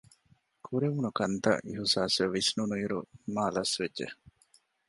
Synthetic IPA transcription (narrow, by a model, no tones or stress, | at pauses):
kʰuɾeʋunukɐnt̪ɐ̰ʔiɦusaːseʋːisnunuiɾumaːlɐsʋedʒḛ